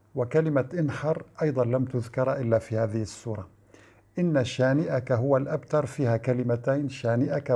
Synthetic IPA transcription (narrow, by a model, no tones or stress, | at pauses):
wɪkalɪmaʔɪnħɑɾˤʔɑjd̪ˤɑnlamt̪ʊðkɑɾˤʔɪlːaːfiːhaːðɪhɪsːuːɾˤɑ | ʔɪnːaʃaːnɪʔakaɦʊwalʔabt̪ɑɾˤfiːhakalɪmat̪ajnʃaːnɪʔaka